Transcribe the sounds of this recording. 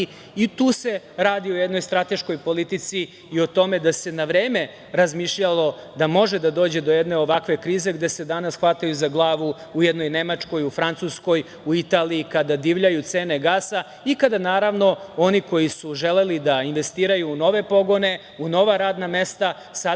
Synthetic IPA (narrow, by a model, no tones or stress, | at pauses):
it̪uːse̞ | ɾaːd̪iojed̪no̞jst̪ɾat̪e̞ʃko̞jpo̞lit̪it̪siː | o̞t̪o̞me̞d̪ase̞naʋɾeːme̞ | ɾazmiʃʎalˠo̞d̪amo̞ʒe̞d̪ad̪o̞ːd͡ʑe̞d̪o̞jed̪neo̞ʋakʋe̞kɾiːze̞ɡd̪e̞se̞d̪anasxʋat̪ajuzaɡlˠaːʋu | ujɛd̪no̞jne̞mat͡ʂko̞jufɾant̪susko̞j | uit̪aːliːkad̪ad̪iʋʎajut̪se̞ːne̞ɡaːsa | ikad̪anaːɾaʋno̞o̞niko̞jisuʒelelid̪ainʋe̞st̪iːɾajuːno̞ʋe̞po̞ɡo̞ne̞ | uno̞ʋaɾaːd̪name̞st̪a | sa